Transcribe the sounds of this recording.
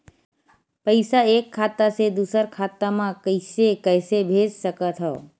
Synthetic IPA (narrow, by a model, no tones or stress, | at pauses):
pəɪsaeːkʰːaːt̪ased̪uːsəɾkʰaːt̪amãkəɪsekəjsebʱed͡ʒsəkət̪ɦɔː